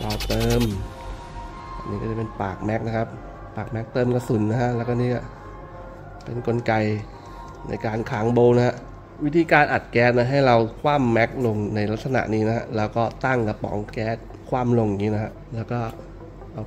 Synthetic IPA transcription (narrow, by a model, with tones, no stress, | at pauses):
ɾa˧wt̪ɤː˧m | a˧˩niː˦˥kɔː˥˩a˨˩pe˧npaː˨˩k̚mɛ˦˥k̚na˦˥kʰa˦˥p̚ | paː˨˩k̚mɛ˦˥k̚t̪ɤː˧mka˧su˨˩˦nːa˦˥kʰa˦˥ʔlɛː˦˥wkɔː˥˩niː˦˥ka˧˩ | pe˧nko˧nka˧j | nʔa̰˧jkaː˧nkʰaː˩˦ŋboː˧na˦˥ha˦˥ʔ | wi˦˥t̪ʰiː˧kaː˧nʔa˨˩t̪̚kɛː˦˥t̪̚na˦˧˥ɦa˥˩jɾa˧wkʰwaː˥˩mːɛ˦˥k̚lo˧ŋna˧jla˦t̪̚sa˧na̰˨˩ʔniː˦˥na˦˥ha˦˥ʔlɛː˦˥wkɔː˥˩t̪a˥˩ŋka˧pɔ̰ː˩˦ŋkɛː˦˥t̪̚ | kʰwaː˥˩mlo˧ŋa˨˩ŋiː˦˥na˦˥kʰa˦˥ʔlɛː˦˥wkɔː˥˩ | a˧